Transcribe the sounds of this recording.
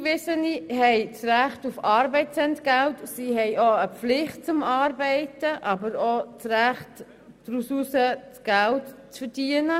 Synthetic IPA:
ʋɪsəniɦɛɪt͡sræχtufɑːɾbɛɪtsɛntɡ̥æltsihɛjoəflɪχt̚t͡sʊmɑːɾbɛɪtəʔɑbəɾot͡sɾæχt | d̥ɾususət͡sɡ̥æltt͡sfəɾd̥iənə

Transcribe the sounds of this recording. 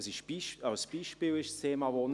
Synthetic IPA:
sɪʃb̥iʃaʊsb̥iːʃpiːlɪʃst̪ʰeːmɑvon

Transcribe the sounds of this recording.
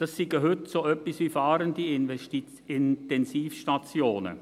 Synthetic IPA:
d̥ɑsːiɡəɦʏtsoːœpːisʋiːfaːɾəndiɪnti | ɪntɛnsiːfʃtat͡sjoːnə̰

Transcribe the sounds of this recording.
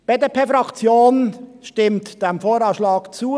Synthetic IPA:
b̥ɛdəpʰɛfɾɑkt͡sjoːnʃtɪmtd̥ɛmfoːɾɑːʃlɑːkt͡suːə

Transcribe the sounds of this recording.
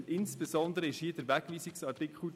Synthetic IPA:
ɪnsb̥esɔnd̪əɾəɪʃhiəd̥əɾʋæɡ̥ʋiːsɪksɑtikχl̩

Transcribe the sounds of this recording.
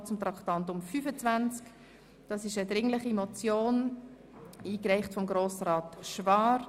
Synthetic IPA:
t͡sʊmt̪ɾɑktɑntʊmfyfət͡svænt͡sk | d̥ɑsɪʃədɾɪŋləχimɔt͡sjoːn | iːkɾɛɪχtfɔmɡɾoːsɾɑːtʃvɑːɾ

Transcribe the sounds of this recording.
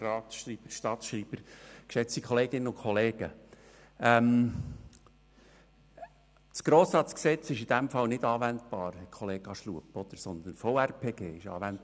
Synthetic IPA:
rɑːtʃriːb̥əɾʃtɑtʃɾiːb̥əɾkʃɛt͡stikʰχɔleːɡ̥ɪnːəʊkχɔleːɡ̥ə | ɛm | t͡sɡ̥ɾoːsɑt͡sksɛt͡sɪʃid̥̪æmfɑlnɪd̥̪ɑːʋænt̪b̥ɑːɾhɛkʰɔleːɡ̥ɑʃluəpɔd̪əɾsɔnd̪ənfoærpʰeːɡ̥ḛːɪʃɑ̰ːʋænt̚

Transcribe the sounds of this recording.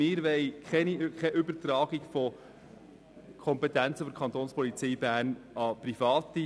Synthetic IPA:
ɪːɾʋɛɪkʰɛnikχɛʔʏbəɾt̪ɾɑːɡiɡfɔ | kʰɔmpɛt̪ænt͡səfodɾkʰɑnt̪oːnspɔlit͡siːbæːɾnɑprifɑːt̪i

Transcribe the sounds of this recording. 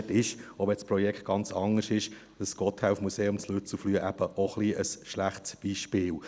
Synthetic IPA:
tɪʃɔʋɛspɾɔjɛkχt̚ɡ̥ɑnt͡sɑŋəʃɪʃ | d̥əsɡ̥ɔt̪hæufmuseːʊmslyt͡suflyəʔæb̥əʔoχliʔəsʃlæχtsb̥iːʃpɪːl

